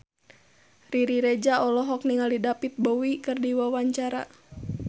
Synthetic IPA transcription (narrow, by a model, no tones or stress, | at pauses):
riɾiɾed͡ʒaɔlɔɦɔk̚niŋaldidapit̪̚bowikɨrdiwawaɲt͡ʃaɾa̰